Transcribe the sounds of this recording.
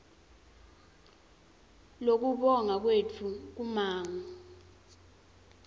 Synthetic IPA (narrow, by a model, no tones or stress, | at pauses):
lok̬uɓɔŋak̬wet͡fʰuk̬umaːŋa